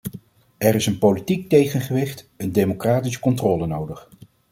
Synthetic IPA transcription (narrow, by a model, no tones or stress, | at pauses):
ɛrɪsənpowlitik̚tejχənχəʋɪχt | əndemokraːtisə̥kɔntrɔːlənowdəχ